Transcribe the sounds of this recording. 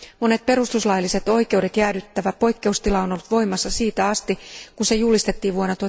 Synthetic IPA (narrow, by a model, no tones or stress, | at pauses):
mo̞ne̞t̪̚pe̞ɾust̪uslɑjlːise̞t̪o̞jke̞uwde̞t̪jæːdyt̪ːæʋæpo̞jkːe̞ust̪ilɑo̞no̞lːut̪ʋo̞jmɑsːɑsiːt̪æɑst̪ikunse̞julist̪et̪ːiːʋʋuonot̪o